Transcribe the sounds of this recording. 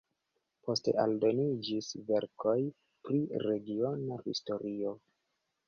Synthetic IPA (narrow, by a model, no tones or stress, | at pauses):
po̞ste̞̰ʔaldo̞nid͡ʒisve̞ɾkʰo̞j | pɾiɾe̞ɡio̞nahisto̞ɾio̞